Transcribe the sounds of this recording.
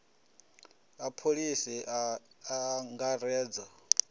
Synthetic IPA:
apʰolisi | aŋɡaɾɛːd͡zɔ

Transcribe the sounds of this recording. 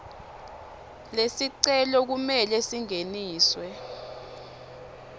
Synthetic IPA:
lesiǀɛlɔk̬umɛlɛsiŋeniːswɛ

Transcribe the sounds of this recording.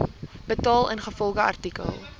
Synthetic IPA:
bətɑːlˠə̰nχəfɔlˠχəɐ̰rtikə̰lˠ

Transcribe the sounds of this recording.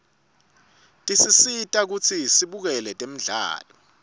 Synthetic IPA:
tʼisisitʼak̬ut͡sʰisiɓuk̬ɛlɛtʼem̩ɮa̰ːlɔ

